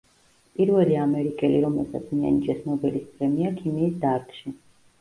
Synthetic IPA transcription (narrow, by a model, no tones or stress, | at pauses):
pʼiɾvɛliamɛɾikʼɛliɾɔmɛlˠsa̰t̪sʰmia̰nid͡ʒʼɛsnɔbɛlispʼɾɛmiakʰimiːsd̪aɾt̪ʼʃi